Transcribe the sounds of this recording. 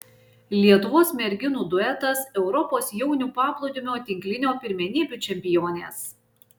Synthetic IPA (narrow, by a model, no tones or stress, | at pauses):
lʲiɛt̪ʊʋoːsmʲɛɾʲɡʲɪnuːd̪ʊɛt̪ɐsɛʊɾɔpoːsjɛʊnʲuːpɑːplˠɔʊd̪ʲɪmʲoːt̪ʲɪŋʲklʲɪnʲoːpʲɪɾʲmʲɛnʲiːbʲʊˑt͡ʃʲɛmʲpʲɪjoːnʲeːs